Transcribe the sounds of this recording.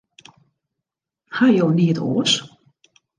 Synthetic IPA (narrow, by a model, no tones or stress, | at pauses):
hajowniətʰo̰ːs